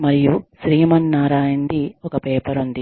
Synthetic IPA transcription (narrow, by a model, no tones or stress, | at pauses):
mɐɾijusɾiːmɐnːaːɾaːjɐnd̪iɔkɐpeːpɐɾund̪i